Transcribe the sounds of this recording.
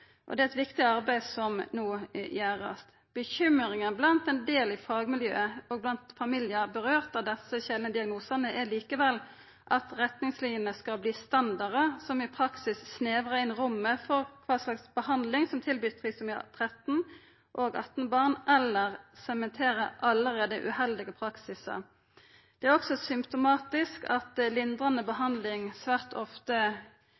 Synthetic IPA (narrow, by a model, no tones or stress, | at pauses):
ʔɔ̰d̪ɛæɛt̪ʋɪkt̪ɪɑʁbæɪsɔmnuːjæːʁɑ̰st̪ | b̥əçʏməʁɪŋənblɑnt̪ɛnd̪eːlɪfɑːɡmɪljø̰ːəɔɡ̚blɑnt̪fɑmiljəbəʁøːʁt̪ɑʋd̪ɛsəçɛlnəd̪ɪɑɡnuːsənəʔæliːkəʋɛlː | ʔɑt̪ʁɛt̪nɪŋsliːənəskɑlbliːst̪ɑnd̪ɑʁəsɔmɪpʰɾɑksɪsːneːʋʁəɪnʁʊmːəfɔʁkʰʋɑːslɑksbəhɑnd̪lɪŋsɔmt̪ʰɪlbyːt̪̚pʰʁiːsɔmɑ̰t̪ʰʁɛt̪n̩ | ʔoːɡɑ̰t̪nbɑʁnʔɛlːəʁsɛmɛnt̪ʰeːʁəʔɑləʁeːd̪əʔʉ̰ːhɛld̪ɪɡəpʰɾɑksɪsɑ̰ | d̪̥ɛæʁɔksɔsʏmpt̪ʊmɑːt̪ɪskɑt̪lɪnd̪ʁɑnəbəɦɑnd̪lɪŋsʋæːʁt̪ʰɔft̪ə